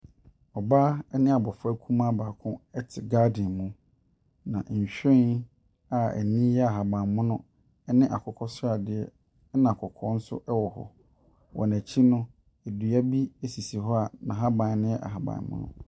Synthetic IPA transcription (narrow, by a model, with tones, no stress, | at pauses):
ɔ˨baː˦ɛ˦nɪ̃˦a˨bɔ˨fæ˦kʰũ˦mã˦baː˨kʰʊ̃˦ɛ˦tʰɪ˨ɡaː˦dɪ̃˨nmũ˦ | nã̰˨ʔɲ̩˨ɕᶣɛ˦n | a˨æ̰˨nĩ˦jɛ˦a˨ɦa˨bã˨nmʊ̃˦nʊ̃˦ | ɛ˦nɪ̃˦ʔa̰˨kʰɔ˦kʰɔ˦sa˨dɪ˨˦ɛ˦ | nã˨kʰɔ˨kʰɔ˦n̩˦sʊ̰˦ʔɛ˦wɔ˨hɔ̰˨ | wʔɔ̰˨næ˨t͡ɕʰi˦nʊ̃˦ | e˨du˨æ˦bi˦æ˦si˨si˨ɦɔ˦a˨nã˨ɦa˦bã˨n˨nɪ̃˦jɛ˦ʔa̰˨ɦa˨bã̰˨mʊ̰̃˦nʊ̰̃˦